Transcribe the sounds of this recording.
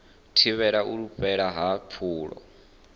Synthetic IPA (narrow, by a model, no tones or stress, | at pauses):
tʰiβɛɺauɺuɸɛɺaɦapʰuːɺɔ̰